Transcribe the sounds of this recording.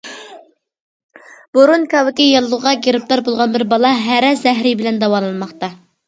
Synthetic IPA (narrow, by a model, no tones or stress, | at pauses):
b̥oɾunkʲʰɑwɪkʲijɑlˠːʊʁɑɡʲeɾɪp̚t̪ɑɾbolˠʁɑnbɪɾbɑlˠɑɦæɾɛzɛɦɾɪbɪlɛnd̪ɑwɑlˠɨnmɑχt̪ɑ